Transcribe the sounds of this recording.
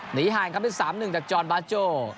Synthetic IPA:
ni˨˦ɦaː˨˩jŋkʰa˦˥ɓe˧˦nsaː˨˦mnɨ˨˩ŋt͡ɕa˨˩k̚t͡ɕɔː˨˩nɓaː˧˥t͡ɕoː˧˩

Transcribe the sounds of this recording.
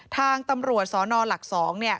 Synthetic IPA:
t̪ʰaː˧ŋt̪a˧mɾu˨˩ət̪̚sɔː˩˦nɔː˧la˨˩k̚sɔː˩˦ŋni˥˩ə

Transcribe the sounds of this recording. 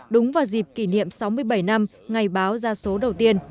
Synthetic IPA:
ɗʊ˨˦ŋ͡mvaː˨˩wzi˨˩p̚ki˧˩nḭ˧˨əmsa˨˦wmɨ˧əjɓə˧˩jna˧m | ŋa˨˩jɓaː˨˦wzaː˧so˨˦ɗə˨˩wt̪i˧ən

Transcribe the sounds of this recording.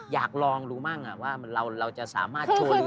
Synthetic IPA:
jaː˨˩k̚lɔː˧ŋɾuː˦˥maː˥˩ŋʔa˨˩waː˥˩ɾa˧wɾa˧wt͡ɕa˨˩ʔsa̰ː˩˦maː˥˩t̚t͡ɕʰoː˧

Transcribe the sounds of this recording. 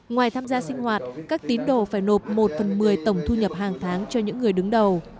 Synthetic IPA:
ŋwaː˨˩jt̪ʰaː˧mzaː˧sï˧ŋ̟hwaː˨˩t̚kaː˦˥k̚t̪i˨˦ənɗo˨˩faː˧˩jno˨˩p̚mo˨˩t̚fə˨˩nmɨ˨˩əjt̪ə˧˩wŋ͡mt̪ʰu˧ɲə˨˩p̚haː˨˩ŋt̪ʰaː˨˦ŋt͡ɕɔ˧ɲɨ̰˧˥ŋːɨ˨˩əjɗɨ˨˦ŋɗə˨˩w

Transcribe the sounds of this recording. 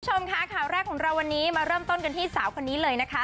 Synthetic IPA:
t͡ɕʰo˧mkʰa˦˥kʰaː˨˩wɾɛː˥˩kʰːɔː˩˦ŋɾa˧wːa˧nːiː˦˥maː˧ɾɤː˥˩mt̪o˥˩nka˧nt̪ʰiː˥˩saː˩˦wkʰa˧nːiː˦˥lɤː˧jna˦˥kʰa˦˥

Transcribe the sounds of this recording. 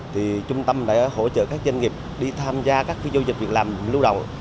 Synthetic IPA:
t̪ʰi˨˩t͡ɕʊ˧ŋ͡mt̪ə˧mɗa̰ː˧˥ho̰˧˥t͡ɕə̰ː˧˨kaː˦˥k̚zə˧nŋi˨˩əp̚ɗi˧t̪ʰaː˧mzaː˧kaː˦˥k̚vi˧zo˧wzi˨˩k̚vi˨˩ək̚laː˨˩mlu˧wɗə̰˧˨wŋ͡m

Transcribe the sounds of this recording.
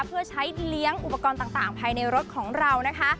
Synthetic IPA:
pʰɯ˥˩ɐt͡ɕʰa˦˥jli˦˥əŋʔu˨˩pːa˧kɔː˧nt̪aː˨˩t̪aː˨˩ŋpʰaː˧jna˧jɾo˦˥t̪̚kʰɔː˩˦ŋɾa˧wna˦˥kʰa˦˥

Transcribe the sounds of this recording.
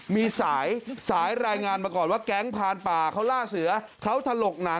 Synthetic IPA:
miː˧saː˩˦jsaː˩˦jɾaː˧jŋaː˧npa˧kɔː˨˩t̪̚waː˥˩kɛ˦˥ŋpʰaː˧npaː˨˩kʰa˦˥wlaː˥˩sɯ˨˩˦ɐ | kʰa˦˥wt̪ʰa˧lo˨˩k̚na˩˦

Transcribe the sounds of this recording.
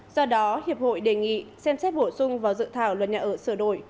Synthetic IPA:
z̥ɔ˧ɗɔ˨˦hi˨˩əp̚ho̰˧˨jɗe˨˩ŋḭ˧˨sɛ˧msɛ˦˥t̚ɓo˧˩sʊ˧ŋ͡mvaː˨˩wzɨ̰˧˨t̪ʰaː˧˩wlwə˨˩t̚ɲa̰ː˧˨˩ʔəː˧˩sɨ˧˩əɗo˧˩˨j

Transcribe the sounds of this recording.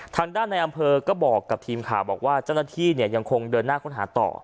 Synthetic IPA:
t̪ʰaː˧ŋdaː˥˩nːa˧jʔa˧mpʰɤː˧kɔː˥˩bɔː˨˩kːa˨˩p̚t̪ʰiː˧mkʰaː˨˩wbɔː˨˩k̚waː˥˩t͡ɕa˥˩wnaː˥t̪ʰiː˥˩ni˥˩ɐja˧ŋkʰo˧ŋdɤː˧nːaː˥˩kʰo˥˩nɦaː˩˦t̪ɔ̰ː˨˩

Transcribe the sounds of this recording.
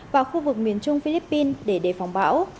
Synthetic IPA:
vaː˨˩xu˧vɨ˨˩k̚mi˨˩ənt͡ɕʊ˧ŋ͡mfi˧li˦˥pːi˧nɗe˧˩ɗe˧˩fa˨˦wŋ͡mɓa̰ː˧˥w

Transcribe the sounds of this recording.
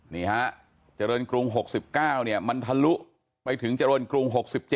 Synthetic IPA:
niː˧˩ha˦˥ʔ | t͡ɕa˨ɾɤː˧nkɾu˧ŋɦo˨˩k̚si˨˩p̚kaː˥˩wni˥˩ɐma˧nt̪ʰa˧lu˦˥ʔ | pa˧jt̪ʰɯ˩˦ŋt͡ɕa˧ɾəː˧nkɾu˧ŋɦo˨˩k̚si˨˩p̚t͡ɕe˨˩

